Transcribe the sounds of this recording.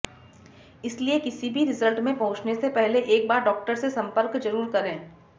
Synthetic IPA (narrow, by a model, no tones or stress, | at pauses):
ɪsliekɪsibʱiɾɪzəlʈmẽpɐɦʊ̃t͡ʃnesepɛɦleʔeːk̚baːɾɖɔːk̚ʈəɾsesɐ̃mpəɾkd͡ʒɐɾuːɾkɐɾẽː